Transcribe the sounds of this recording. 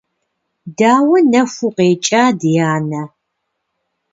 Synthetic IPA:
daːwɐnɐfʊqeːt͡ʃʼaːdjaːnɐ

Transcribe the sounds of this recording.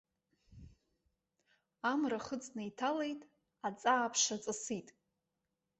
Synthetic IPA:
amraχət͡sʼnajtʰale̞jtʼ | at͡sʼaːpʰʂat͡sʼɨsitʼ

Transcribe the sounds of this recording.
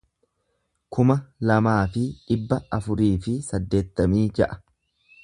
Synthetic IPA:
kʊmɐlɐmaːfɪᶑɪbːɐɐfʊɾiːfɪsɐd̪ːe̞ːt̪ːɐmiːd͡ʒɐʔɐ̥

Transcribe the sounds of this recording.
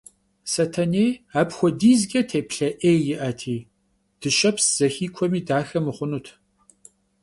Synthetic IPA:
sɐtʰɐneːaːpxʷɔdiːzɡʲɐtʰeːpɬɐʔeːjjɪʔɐtʰiː | d̥ɨʃɐpsz̥ɐxiːkʷʰɔmiːdaːxɐmɨχʷʊnutʰ

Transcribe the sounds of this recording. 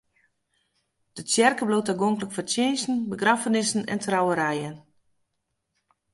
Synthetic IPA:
d̥əsjɛrkəblotəɡoŋkləkfəsjeːnsn̩bəɡrafənɪsn̩ɛ̰ntʰrawəɾɛjən

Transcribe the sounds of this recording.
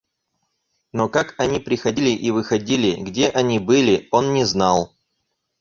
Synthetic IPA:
no̞kakɐnʲipɾʲɪxɐdʲilʲɪʔivɨxɐdʲilʲɪɡdʲeʔɐnʲibɨlʲɪo̞nːʲɪznalˠ

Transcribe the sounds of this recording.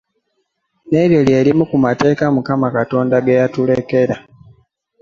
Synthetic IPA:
ne̞ɾjo̞ljeːlimukumate̞ːkamukamakato̞ːndaɡejatule̞ke̞ɾa

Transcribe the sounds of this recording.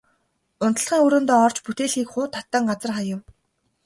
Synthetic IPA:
ʊnt̪ə̆ɮχiːŋɵɾɵ̆nt̪ɔːɔrt͡ɕput̪eːɮxiːkχʊːt̪ʰːat̪ːəːŋɢat͡sə̆rχajʊ̆w

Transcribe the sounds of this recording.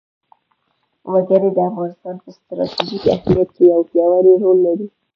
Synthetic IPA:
waɡəɾed̪əafɣɑnɪst̪ɑnpəst̪ɾɑ̰t̪iʒika̰hmijat̪̚kejawpjɑwaɾeɾolːaɾi

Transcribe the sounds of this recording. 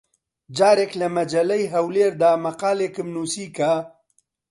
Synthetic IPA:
d͡ʒaːɾeklamad͡ʒalajɦawleɾd̪aːmaqaːlekəmnusika

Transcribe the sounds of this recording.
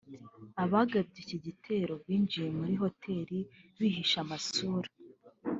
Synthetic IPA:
aβaːɡab̚ɟeciɟitʰe̞ːɾo̞bwiːnd͡ʒije̞muɾiɦo̞tʰe̞ːɾiβihiʃamasuːɾa

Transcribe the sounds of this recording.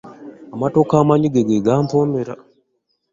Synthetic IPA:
amato̞kaːmaɲiɡeɡeɡaːmpomeɾa

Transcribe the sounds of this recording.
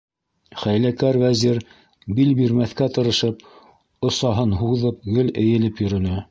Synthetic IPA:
χæjlækæɾvæziɾ | bilbiɾmæθkæt̪ɤ̆ɾɤ̆ʃɤp̚ | ŏsɑɦɤnɦuðɤp̚ɡɵlɘ̆jɘ̆lɘpjɵ̆ɾɵ̆nɘ

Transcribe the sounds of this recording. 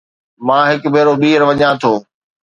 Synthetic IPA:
mãːɦɪkbʱeːɾoɓiːɾʋɐɲãt̪ʰoː

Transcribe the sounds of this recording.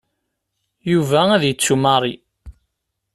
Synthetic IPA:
juvææðjət͡sːuməɾˤi

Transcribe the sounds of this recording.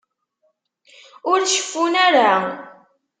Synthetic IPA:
ʊɾʃə̥fːunaɾa

